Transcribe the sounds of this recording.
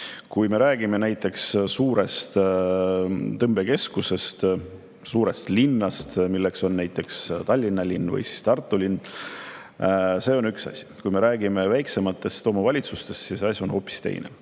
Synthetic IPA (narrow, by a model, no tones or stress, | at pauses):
kujme̞ɾæːɡ̥ime̞næjt̪ːˑe̞kssuːɾe̞st̪ | t̪ɤmb̥e̞ke̞skuse̞st̪ | suːɾe̞st̪linːɑst̪milːe̞kso̞nːæjt̪ːˑe̞kst̪ɑlʲːinːɑlinːvɤ̰jsi̥st̪ɑrt̪ˑːulinː | se̞ːo̞nyksɑ̰sʲi̥kujme̞ɾæːɡ̥ime̞væjkse̞mɑt̪ːˑe̞st̪o̞ːmɑvɑlʲit̪sust̪e̞st̪ːjiseɑsʲjuo̞nho̞ːpːˑi̥st̪ḛjnḛ